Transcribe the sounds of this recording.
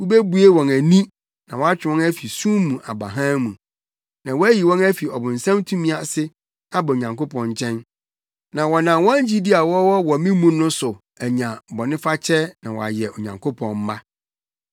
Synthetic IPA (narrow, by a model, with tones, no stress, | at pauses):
wu˦be˦bu˨˦e˦wɔ̃˨næ˨nĩ˦ | nã˨wɔ˦a˦t͡ɕᶣɪ˨wɔ̃˦næ˦fi˨sũ˦mũ˨ʔa˨bɾa̰˨ɦã˦mũ˨ | nã˨wɔ˦æ˦ji˨wɔ̃˦næ˦fi˨ɔ˨bʊ̃˨n̩˨sã˦mtʰũ˦mĩ˦a˨sɪ˦ | a˦bɔ˨o˨ɲã˨ŋko˦pʰɔ̃˨ɲ˦t͡ɕʰɛ̃˦n | nã˨wɔ˨nã˨wɔ̃˦d͡ʑi˦di˦a˨wɔ˦wɔ˦wɔ˨mĩ˦mũ˦nʊ̃˦sʊ˨ | æ˨ɲã˨bɔ˨nɪ̃˦fa˦t͡ɕʰɛ˦nã˨wɔ˨a̰˨jɛ˨ʔo˨ɲã˨ŋkʰo˦pʰɔ̰̃˨nm̩˦ma˦